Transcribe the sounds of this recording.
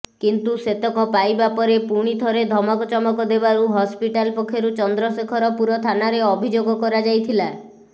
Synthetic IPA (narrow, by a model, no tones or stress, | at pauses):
kint̪uset̪ɔkɔpajbapɔɾepuɽ̃it̪ʰɔɾed̪ʱɔmɔkɔt͡ʃɔmɔkɔd̪ebaɾuɦɔspiʈalpɔkʰːjɔɾut͡ʃɔnd̪ɾɔsekʰɔɾɔpuɾɔt̪ʰanaɾeɔbʱid͡ʒoɡɔkɔɾad͡ʒajt̪ʰila